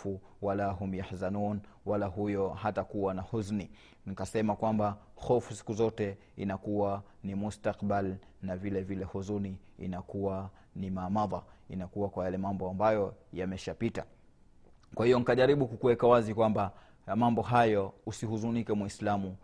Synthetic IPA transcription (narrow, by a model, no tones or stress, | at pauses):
fu | walaɦum̩jaħsanun | walaɦujɔɦatakuwanahuzni | nikasɛmakwamba | xɔfu̥si̥kuzɔtɛ | ḭnakuwa | nimustaqɓal | navilɛvilɛhuzuniḭnakuwa | nimaːmaðˤainakuwakwajalɛmambɔambajɔjamɛʃapita̰ | kwahijɔnikaʄaɾiɓukukuwɛkawazikwamba | mambɔɦajɔusihuzunikɛmwislamu